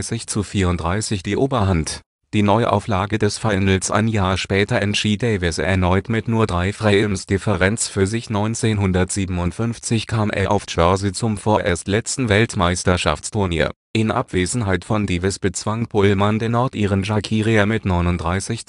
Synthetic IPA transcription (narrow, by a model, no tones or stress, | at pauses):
ɪsɪçt͡sufiːɐʊntd̥ʁaɪsɪçd̥iːʔoːbɐɦant | d̥iːnɔʏʔa̰ʊflaːɡədɛsfaɪnl̩sʔa̰ɪnjaːɐʃpɛːtɐɛntʃiːtd̥ɛɪvɪsɛ̰ɐnɔʏtmɪtnuːɐdʁaɪfʁ̥ɛlmsd̥ɪfəʁɛnt͡sfyːɐzɪçnɔʏnt͡seːnɦʊndɐtz̥iːbm̩ʊntfʏnft͡sɪçkʰaːmʔḛɐʔa̰ʊft͡ʃœɐzit͡sʊmfoːɐʔeːɐstlɛt͡stn̩vɛltmaɪstɐʃa̰ft͡stʰʊɐnḭːɐ | ʔɪnʔa̰pv̥eːzn̩ɦaɪtfɔndiːvɪsb̥ət͡sv̥aŋb̥ʰʊlmandeːɐnɔɐtʔiːʁənʒakʰiːʁiamɪtnɔʏnʊntd̥ʁaɪsɪç